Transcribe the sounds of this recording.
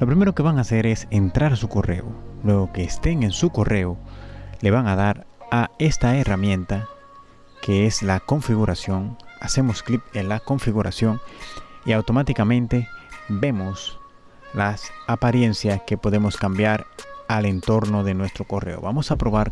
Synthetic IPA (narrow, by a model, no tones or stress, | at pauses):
lo̞pɾime̞ɾo̞ke̞βaŋase̞ɾe̞se̞nt̪ɾaɾsuko̞re̞̰o̰lwe̞ɣo̞ke̞ːst̪e̞ŋe̞nsuko̞re̞ole̞βaŋaðaɾ | ae̞st̪ae̞ramjẽ̞nt̪a | ke̞eslako̞ɱfiɣuɾasjo̞ŋase̞mo̞sklipenlako̞ɱfiɣuɾasjo̞ŋiawt̪o̞mat̪ikamẽ̞nt̪e̞be̞mo̞s | lasapaɾje̞nsjaske̞poðe̞mo̞skambjaɾale̞nt̪o̞ɾno̞ðe̞nwe̞st̪ɾo̞ko̞re̞oβamo̞sapɾo̞βaɾ